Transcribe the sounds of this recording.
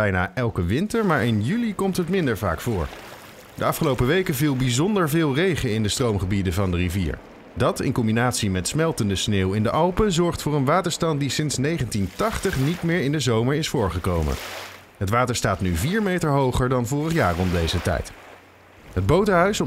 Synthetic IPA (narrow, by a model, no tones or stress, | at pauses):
ɛjna̰ːʔɛlˠkəʋɪntəɹmaːɹɪnjylikɔmtɦətmɪndəɹva̰ːkfʊːɹ | dəɑfχəlowpəʋejkəvilˠbizɔndəɹvɪːlˠrejχəɪndəstrowmχəbidəvɑndərivḭːɹ | dɑtɪ̰nkɔmbinaːtsimɛtsmɛlˠtəndəsneːwɪndəʔɑlˠpəzɔɹχtfʊːɹənʋaːtəɹstɑnt̚disɪnsnejχəntintɑχtəχnitmɪːɹɪndəzowməɹɪsfʊːɹχəkowmə̰n | ɦətʋaːtəɹstaːtnyviːɹmejtəɹɦowχəɹdɑnvʊːrəχja̰ːrɔmdejzətɛ̰jt | ɦəd̚bowtəɦœɥsɔ